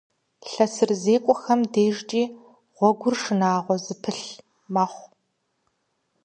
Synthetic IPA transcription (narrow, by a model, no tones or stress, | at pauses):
ɬɐsɨrzeːkʷʼɔxɐmdeːʒt͡ʃʼiː | ʁʷɔɡʷʊrʂɨnaːʁʷɔzɨpʰɨɬ | mɐːχʷ